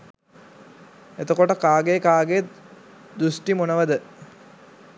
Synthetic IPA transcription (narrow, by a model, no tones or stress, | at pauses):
et̪okoʈəkaːɡekaːɡe | d̪usʈimonəʋəd̪ə